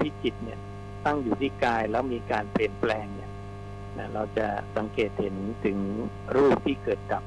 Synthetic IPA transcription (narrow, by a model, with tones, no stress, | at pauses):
pʰi˦˥˩ki˨˩t̪̚ni˥˩ɐ | t̪a˥˩ŋjuː˨˩t̪ʰiː˥˩kaː˧jlɛː˦˥wmiː˧kaː˧npli˨˩ənplɛː˧ŋni˥˩ɐ | na˦˥ɾa˧wt͡ɕa˨˩sa˩˦ŋkeː˨˩t̪̚he˩˦nt̪ʰɯ˩˦ŋ | ɾuː˥˩p̚t̪ʰiː˥˩kɤː˨˩t̪̚ka˨˩p̚